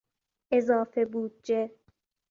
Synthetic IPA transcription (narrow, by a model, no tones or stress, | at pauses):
ʔezɒːfebuːd̪̚d͡ʒe